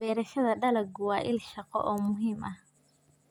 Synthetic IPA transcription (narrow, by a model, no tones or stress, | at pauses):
ɛːɾɐʃɐðɐɖɐlɐɡʊwaːʔɪlʃɑqɔ̰ʔɔːmʊɦiːmʔɐh